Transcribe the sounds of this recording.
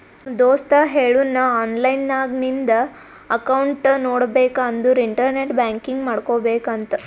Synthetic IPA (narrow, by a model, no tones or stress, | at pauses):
d̪oːst̪aɦeːɭunːɐaːnlɐjnːaːɡnind̪ɐ | ɐkɐwɳʈnoːɽbeːkaːnd̪uɾiɳʈɐɾneʈbaːŋkiŋɡmaːɽkoːbeːkɐnt̪ɐ